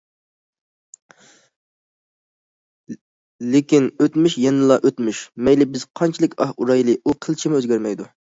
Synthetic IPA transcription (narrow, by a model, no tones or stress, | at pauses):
lɪkʲinøt̪myʃjɛnɨlˠɑʔøt̪myʃmɛjlɪbɪzqʰɑnt͡ʃʰilˠɪkʲɑhuɾɑjlˠɨʔuqʰəlˠt͡ʃʰimɪøzɡʲæɾmɛjd̪u